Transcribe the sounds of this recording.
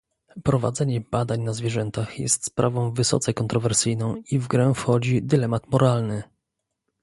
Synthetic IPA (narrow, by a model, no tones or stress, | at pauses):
pɾɔva̰d̪zɛɲɛbad̪aɲnazvʲjɛʐɛnt̪axjɛ̰st̪spɾavɔ̃w̃vɘsɔ̰t̪sɛkɔnt̪ɾɔvɛɾsɘjnɔ̃w̃ivɡɾɛfxɔd͡ʑid̪ɘlɛmat̪mɔɾalnɘ